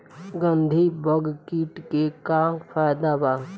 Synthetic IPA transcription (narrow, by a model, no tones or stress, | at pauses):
ɡə̃nd̪ʱibəɡkiʈkekapʰaːd̪abaː